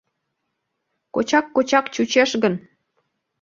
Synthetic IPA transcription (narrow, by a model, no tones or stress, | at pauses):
kot͡ɕɑkːot͡ɕɑkt͡ɕut͡ɕeʃɣən